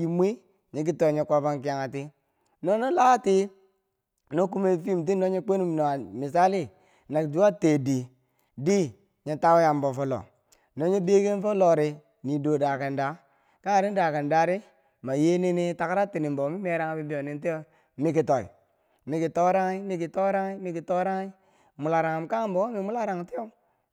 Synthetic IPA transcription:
ji˨mʷ˦i˦ | ɲi˨k̬i˦to˨i˨ɲe˨kʷa˦˨ba˦ŋk̬i˨ja˨ŋa˨ti˦ | no˦no˦la˦ti˦ | no˦ku˦me˨fi˦˨mt̬i˦no˦ɲe˦k͡pe˦nu˦m˨no˨a˨mi˨s̬a˦li˦ | na˨kd͡ʒu˦a˦te˨di˨ | di˦ | ɲe˨ta˦wja˨mbo˨fo˦lo̰˨ | no˦ɲe˦be˦ke˦n˦fo˦lo˨ɾi˨ | ni˨do˨da˨ka˨nda˨˦ | ka˦˨ɾi˦da˨ka˨n˨da˨ɾi˦ | ma˨je˦ne˦ni˦ta˨kɾa˦ti˨ni˨mbo˨˦mi˦me˨˦ɾa˦ŋ˦bi˦bi˦o˨ni˨n˦te˦o˦ | mi˦ki˨to˨ḭ˨ | mi˨ki˨to˦ɾa˦ŋi˦mi˦ki˨to˦ɾa˦ŋi˦mi˦ki˨to˦ɾa˦ŋi˦ | mu˨la˨ɾa˨ŋ˨mka˦m˦bo˨˦mi˨mu˦la˦ɾa˨ŋ˨ti˦o˦

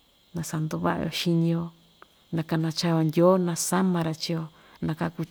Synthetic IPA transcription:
nã˧sa˧nd̪u˧βa̰˦ʔa̰˧jo̰˧ʃi˧nĩ˧jo˧ | nã˧ka˧nã˧t͡ʃa˧jo˧ndʲo˦nã˧sa˦mã˧ɾa˧t͡ʃi˧o˧ | nã˧ka˧ku˧

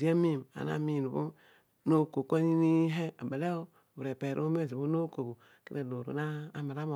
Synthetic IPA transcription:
i˨˦e˦mi˦˨ma̰˨na̰˨mi˦˨nu˨bu˦ | no˦˨ko˨ko˦ɲi˦ni˦ɦe˦a˨be˨le˦o˦˨ | bu˨ɾe˨pe˨ɾʔo̰˦m˦e˦˨zi˨bu˦no˦ko˨bu˨ | kḭ˦ɾe˨lo˨ɾo̰˨naː˦˨˦ma˨ɾa˦mo˨

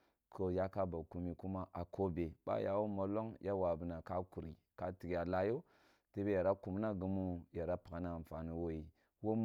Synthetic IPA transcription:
kʰo˨ja˦ka˦ba˨ku˨mi˨ku˦ma˦ʔa˨ko˦be˨ba̰˦ja̰˨wu˦mo˨lo˦ŋjʔa˦wa˨bə˨na˨ka˦ku˨ɾḭ˨ | ka˦ti˨kja˨la˦jo˦ | te˦be˦ja˨ɾa˦ku˨m˦na˦ɡu˨mu˦ja˨ɾa˦pa˨ka˨na˦˨m˨fa˨nu˦wo˦ji˨ | wo˦m

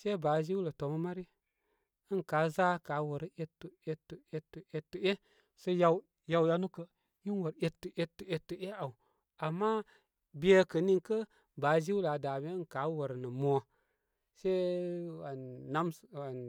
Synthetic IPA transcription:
se˦ba˨zi˦wlə˨to˨mə˦ma˦ɾi˦ | ə˦nkaː˨˦za˦ka˨˦wə˨ɾi˦ʔe˦tu˨e˦tːu˨e˧tːu˨ʔe˦tːə˨˦e˦ | sə˧ja˧ | ja˨wja˧nu˦kə˦ | ji˦nwə˨ɾe˧tːə˨ʔe˧tːə˨e˦tːə˨e˦a˨u˨ | a˨mːa˦ | bi˦e˦kə˨ni˦ŋkə˦ | baː˨˦zi˦wla˨da˨me˦n˨ka˨˦wə˨ɾnə˨mo˨ | se˦aː˨a˦m˨a˨n

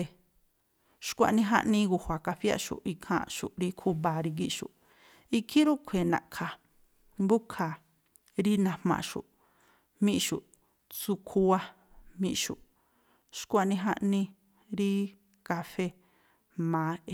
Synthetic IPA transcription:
e˧ | ʃkʷa̰˧nĩ˧ɦa̰˦ʔnĩ˧ɣu˧hʷwa˨ka˧ɸi˦a̰˧ʃṵ˨i˧kʰã̰˧˨ʃu˨ɾi˧kʰu˦βa˨ɾi˧ɡi˦ʃṵ˨ | i˦kʰi˦ɾu˦kʷʰe˨nã̰˨ʔkʰa˨ | mbu˦kʰa˨ | ɾi˦nã˧mmã̰˧˨ʃṵ˨ | mĩ˦ʔʃu˨ | t͡su˧kʰu˧a˦ | mĩ˧ʔʃṵ˨ | ʃkʷa˧nĩ˧ɦa˦˧ʔnĩ˧ | ɾi˦ | ka˧fe˦ | mãː˨˦˧

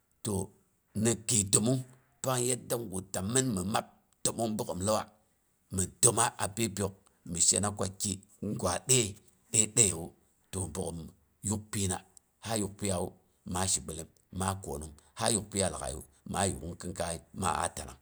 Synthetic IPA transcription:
to˨ | ni˨ki˨to˨mu˦ŋ | pa˦ŋje˦t̚da˦ŋɡu˨ta˨mːi˦nmə˨ma˦p̚ | to˨mu˦ŋ˦bu˦kə˨mlə˦wa˦ | mə˨do˨ma˦ʔa˨pe˦bjo˨k̚ | mi˨ʃe˦na˦kʷa˦ki˦ | ŋɡʷa˨ɗe˦˨ | ɗe˦ɗe˦˨wu˦ | to˨bu˨ko˨m | ju˦k̚pi˦na˨ | ha˦ju˨k̚pi˦a˨wu˦ | ma˨˦ʃi˨ɓə˨li˦m | ma˦ko˨nu˦ŋha˦ju˦k̚pi˦a˨la̰˨ka̰˨jṵ˦˨ | ma˦jṵ˨ku˦ŋkɨ˦ŋka˦i˦ma̰˦a̰˨˦ta˨na̰˨ŋ

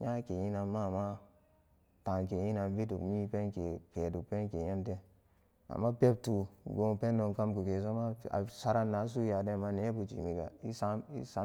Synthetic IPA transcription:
ɲa˦ke˨ji˦na˨mːa˦˨ma˦ | ta˨ŋk̬e˨ji˦na˨n˦vi˦dṵ˨kmi˦pe˦nke˨ke˨du˨k̚pe˦nke˨je˦nte˦ | a̰˨mːa˦pe˦p̚tu˨ɡo˨˦pe˦nːo˨ŋka˦mku˨ke˨s̬o˦ma˦a̰˨sa˦ɾa˦nːa˨˦s̬u˦ja˨de˦˨ma˦ne˨˦bu˨t͡ʃḭ˨mi˨ɡa̰˨i˦sa˦ḭ˦sa˦

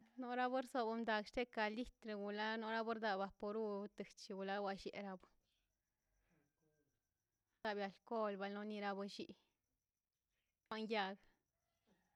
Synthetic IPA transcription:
no˦ɾa˦bɨ˦ɾso˧˨ba˧md̪a˨ɡʃt̪e˦ka˨li˦t̪ɾe˧˨ɡu˨la˦no˧˦ɾa˦bo˦ɾd̪a˧ba˧po˧ɾu˦t̪ɨ˨t͡ʃi˧ɡu˨la˦wa˧ʃḛ˨ɾa˧bɨ˨˦ | a˧bja˨lko˦lba˧lno˦ni˧ɾa˧bɨ˧ʃi˧ʔ | kʷa˦ŋja˧ɡ

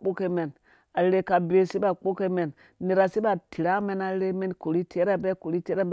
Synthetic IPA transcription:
k͡po˦ke˦me˨n | a˨˦ɾe˦ka˨be˨si˦ba˨k͡po˦ke˦me˨n | ni˨ɾa˨si˦ba˨tʰi˨ɾa˦me˦na˨˦ɾe˦me˦nko˨ɾi˦tʰe˦ɾa˦be˦ko˨ɾi˦te˦ɾa˦b

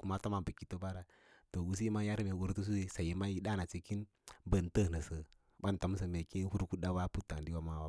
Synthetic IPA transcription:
ku˨ma˦to˦ma˨bə˨ki˨˦to˦ba˦ɾa˨ | to˨u˨s̬i˦ma˦ja˦ɾme˨wu˨ɾtu˦s̬u˦i˦sa˨ji˨ma˦ji˨˦da˦na˨t͡ʃi˨ki˦n | bə˨ntə˦˨nə˨sə˨ | ba˦n˨ta˨˦m˦s̬ə˨me˨ki˦n˦hu˦ɾku˦da˦wa˦pu˦tːa˨n˨di˦wa˦ma˦˨wa˨˦

